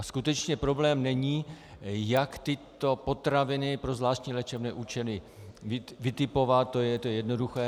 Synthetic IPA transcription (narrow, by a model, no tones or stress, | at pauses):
skut̪ɛt͡ʃɲɛpɾo̞blɛːmnɛɲiː | jakt̪ɪt̪o̞po̞t̪ɾavɪnɪpɾo̞zvlaːʃtɲiːlɛt͡ʃɛbnɛːʔuːt͡ʃɛlɪ | ɪvɪt̪ɪpo̞vat̪̚t̪ːojɛt̪ojɛjɛdno̞duxɛː